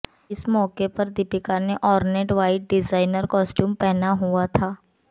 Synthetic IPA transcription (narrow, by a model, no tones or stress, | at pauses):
ɪsmɔːkepɐɾd̪ɪpɪkaneʔɔːɾneːʈʋaːɪʈ̚ɖɪzaːɪnəɾkɔːsʈjuːmpɛɦnaɦuat̪ʰaː